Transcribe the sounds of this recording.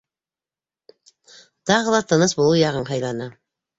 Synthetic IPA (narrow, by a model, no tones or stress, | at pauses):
t̪ɑʁɤlˠɑt̪ɤ̆nɤsbulˠujɑʁɤɴɦɑjlˠɑnɤ